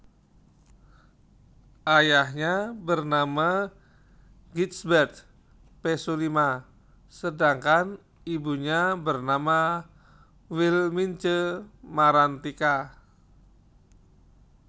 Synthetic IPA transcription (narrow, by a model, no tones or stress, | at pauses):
ʔajahɲabərnama | ɡit̪sbɛrt̪̚ | pesulima | sədaŋkan | ibuɲabərnama | wilmint͡ʃəmaɾant̪ika